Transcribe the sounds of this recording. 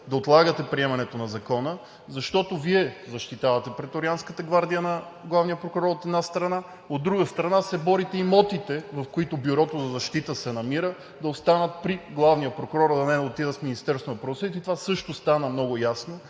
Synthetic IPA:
d̪ɐot̪lˠaɡət̪ɛpɾiɛmɐnɛt̪onɐzɐkɔnə | zɐʃt̪ɔt̪oviɛzɐʃt̪it̪avɐt̪ɛpɾɛt̪oɾianskət̪əɡvaɾd̪ijənɐɡlˠavnijəpɾokʊɾɔɾot̪ɛd̪nast̪ɾɐna | od̪ːɾuɡəst̪ɾɐnasɛbɔɾit̪ɛimɔt̪it̪ɛvɐfkoit̪ʊbuɾɔt̪ozɐzɐʃt̪it̪əsɛnɐmiɾə | d̪ɐost̪anət̪̚pɾiɡlˠavnijəpɾokʊɾɔɾd̪ɐnɛd̪ɐot̪id̪əfminist̪ɛɾst̪onɐpɾosɛt̪it̪ovasɤʃt̪ost̪anəmnɔɡʊjasno

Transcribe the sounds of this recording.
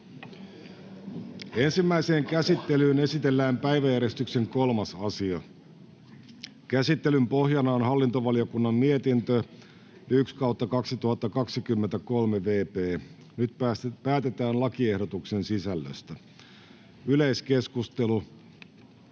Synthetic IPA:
e̞nsimːæise̞ːŋkæsit̪ːe̞lyːne̞sit̪elːæːmpæiʋæjæɾe̞st̪ykse̞ŋko̞lmɑsɑsiɑ | kæsit̪ːe̞lympo̞hjɑnɑonɦɑlːint̪oʋɑlio̞kunːɑnːiet̪int̪ø | ykskɑuwt̪ːɑkɑksit̪uhɑt̪ːɑkɑksikymːent̪æko̞lmeʋe̞ːpeː | nyt̪pæːt̪e̞t̪æːnlɑkiehdo̞t̪uksensisælːø̰st̪æ | yleiske̞skust̪e̞lu

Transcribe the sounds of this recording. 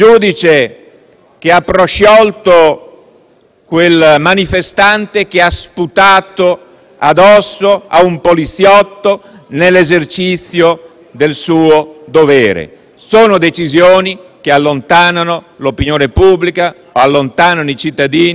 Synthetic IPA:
d͡ʒuːd̪it͡ʃe | k̟eapːɾoʃɔlt̪o | kwelmanifest̪ant̪ek̟easput̪aːt̪o | a̰d̪ɔsːoa̰umpolit̪sjɔt̪ːo | nelːezert͡ʃit̪sːjo | d̪elsuːod̪oveːɾḛ | soːnod̪et͡ʃizjoːnikealːont̪aːnanolopinjoːnepubːlika | oalːont̪aːnanoit͡ʃit̪ːad̪iːni

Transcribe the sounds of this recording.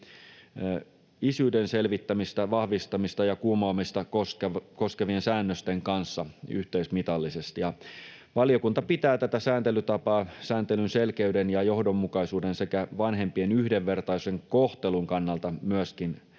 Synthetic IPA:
isyːdenselʋit̪ːæmist̪æʋɑhʋist̪ɑmist̪ɑjɑkuːmoːmist̪ɑoskko̞skeʋiensæːnːøst̪eŋkɑnsːɑy̰ht̪eismit̪ɑlːisest̪ijɑ | ʋɑliokunt̪ɑpit̪æːt̪æt̪æsæːnt̪elyt̪ɑpɑːsæːnt̪elynselkeydenjɑjohdomːukɑisuːdensekæʋɑnɦempienyhdeʋːert̪ɑiseŋkoht̪eluŋkɑnːɑlt̪ɑmyæskin

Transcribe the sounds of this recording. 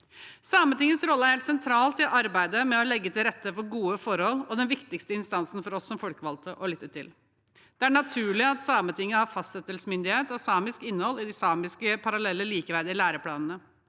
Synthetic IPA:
sɑːmənt̪ɪŋːəsɾɔlːəæɾheːlt̪sɛnt̪ʰɾɑːlt̪ɪʔɑɾbæɪd̪əmɛɔlɛɡːət̪ʰɪlɾɛt̪ːəfɔɾɡuːəfɔɾhɔlːɔd̪ɛnʋɪkt̪ɪkst̪əɪnst̪ɑnsn̩fɔɾɔsːɔmfɔlkəʋɑlt̪ʰəʔɔlʏt̪ːəʈɪl | d̪̥ɛæɳɑt̪ʰʉːɭɪɑt̪sɑːmət̪ɪŋːəhɑɾfɑst̪sɛt̪ːəlsəmʏnd̪ɪheːt̪ɑsɑːmɪskɪnːəhɔlːɪd̪ɪsɑːmɪskəpʰɑɾɑlɛlːəliːkəʋæɾd̪ɪɪlæːɾəpʰlɑːnnə

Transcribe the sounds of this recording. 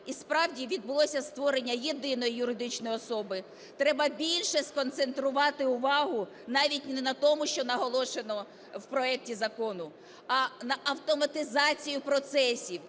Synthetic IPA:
ispɾɑwdʲiʋʲid̪̚bʊlˠɔsʲɐst̪ʋɔɾenʲːɐjed̪ɪnɔjijʊɾɪd̪ɪt͡ʃnɔjɔsɔbɪ | t̪ɾɛbɐbʲilʲʃɛskɔnt̪se̞nt̪ɾʊʋɑt̪ɪʊʋɑɦʊ | nɑʋʲit̚ʲnɛnɐt̪ɔmʊʃt͡ʃɔnɐɦɔlˠɔʃe̞nɔ | wpɾɔɛk̚tʲizɐkɔnʊ | ɐnɐʔɐwt̪ɔmɐt̪ɪzɑt͡sʲijʊpɾɔt̪sɛsʲiw

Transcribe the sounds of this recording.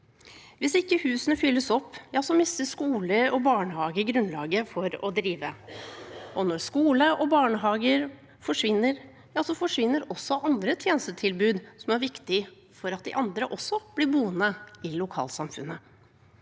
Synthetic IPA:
ʋɪsɪkːəhʉːsənəfʏlːəsɔpːjɑːsɔmɪsəʂkuːləɾɔbɑːɳəhɑːɡəɡɾʉnlɑːɡəfɔɾɔ̰d̪ɾiːʋə | ɔnɔskuːləʔɔbɑːɳəɦɑːɡəɾ | fɔʂʋɪnːəɾ | jɑːsɔfɔʂʋɪnːəɾɔsːɔʔɑnd̪ɾət̪ʰjeːnəst̪ət̪ʰɪlbʉːd̪sɔmæɾʋɪkt̪ɪ | fɔɾɑt̪̚d̪ɛʔɑnd̪ɾəʔɔsːɔb̥lɪbuːənəɪlʊkʰɑ̰ːlsɑmfʉnːə

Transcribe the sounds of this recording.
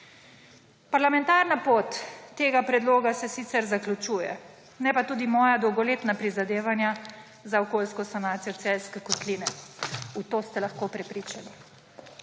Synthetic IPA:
paɾlamɛ̃nt̪aːɾnapoːt̪ːeːɡapɾɛd̪loːɡasɛsit̪sɛɾzaklʲut͡ʃuːjɛ̰ | nɛpat̪uːd̪imɔːjad̪ɔwɡɔleːt̪napɾizad̪eːʋanja | zaɔkoːlskɔsanaːt̪sijɔt̪sɛlskɛkɔt̪liːnɛut̪oːst̪ɛlaxkopɾɛpɾiːt͡ʃani

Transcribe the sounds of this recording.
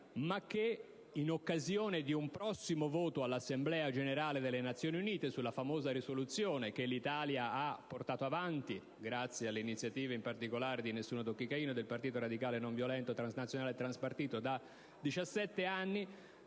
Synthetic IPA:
mak̟ːe | inokːazjoːned̪iumpɾɔsːimovoːt̪oalːasːemblɛːad͡ʒeneɾaːled̪elːenat̪sːjoːniuniːt̪esulːafamoːzaɾisolut̪sjoːnek̟elːit̪aːljaapːort̪aːt̪oavant̪i | ɡɾat̪sːjealːeinit̪sjat̪iːveimpart̪ikolaːɾed̪inesːuːnod̪okːikaiːnod̪elpart̪iːt̪oɾad̪ikaːlenoɱvjolɛnt̪ot̪ɾanznat̪sjonaːlet̪ːɾanspart̪iːt̪od̪a | d̪it͡ʃasːɛt̪ːeanːi

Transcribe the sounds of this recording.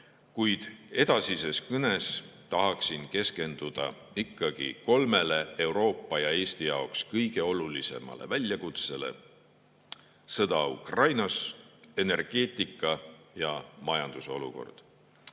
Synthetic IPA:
kujd̪̥e̞d̪̥ɑsise̞skɤne̞st̪ɑɦɑksinke̞ske̞nd̪̥ud̪̥ɑ̰ | ikˑːɑɡ̥ḭko̞lme̞le̞e̞wɾo̞ːpːˑɑjɑe̞ːst̪ijɑokskɤjɡ̥e̞o̞lulise̞̰mɑ̰lḛvælʲjɑkut̪se̞le̞̰ | sɤd̪̥ɑṵkrɑjnɑse̞ne̞rɡ̥e̞ːt̪ˑikːˑɑjɑmɑjɑnd̪̥uso̞lṵko̞̰rd̪̥

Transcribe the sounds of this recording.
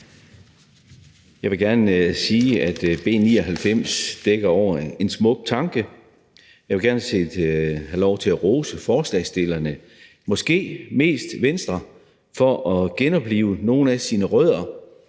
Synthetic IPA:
jɑ̈ɪʋe̝lɡ̥æɐnsiːæd̥b̥e̝̰ːniːɒɦælfem̰sd̥eɡ̥ɐɒʊ̰ɐe̝nsmɔ̽ɡ̥̚t͡sʰɑ̈ŋɡ̥ə | jɑ̈ɪʋe̝ɡ̥æɐnəse̝̰d̥hælɒʊ̰t͡sʰe̝læʁɔːsəfɒːslɛsd̥e̝lɐnə | mɒ̽sɡ̥e̝̰ːme̝̰ːsd̥ʋensd̥ʁɐ | fɒ̽ʔɒ̽ɡ̥enɒ̽b̥lḭːʊəno̝ːn̩æsinəʁœð̰ˠɐ

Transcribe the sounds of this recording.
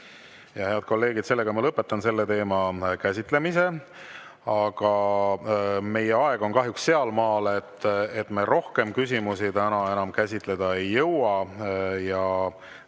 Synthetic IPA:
jɑhe̞ɑd̪̥̚ko̞lːe̞ːɡid̪̥se̞lːe̞ɡ̥ɑmɑlɤpːˑe̞t̪ːˑɑnse̞lːet̪e̞ːmɑkæsʲit̪ˑle̞mise̞ | ɑɡ̥ɑ | me̞jeɑe̞ɡ̥o̞nkɑɦjuksse̞ɑlmɑːlet̪ːet̪ːmeɾo̞hke̞mkysimusit̪ænɑe̞nɑmkæsʲit̪ˑle̞d̪̥ɑe̞jːɤwɑjɑ

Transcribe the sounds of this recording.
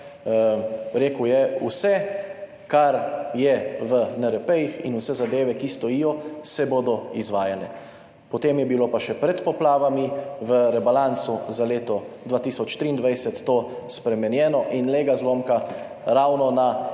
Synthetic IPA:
ɾeːkwjɛusɛ | kaɾjɛʋənɛɾɛpɛjixḭnusɛzad̪eːʋɛkist̪ɔjijɔsɛboːd̪ɔizʋaːjalɛ | pɔt̪eːmjɛbilopaʃɛpɾɛt̪pɔplaːʋamiʋəɾɛbalãnt̪suzaleːt̪ɔd̪ʋaːt̪isɔt͡ʃt̪ɾiːnd̪ʋajsɛt̪ːo | spɾɛmɛnjɛːnɔʔinleːɡazlomka | ɾawnɔna

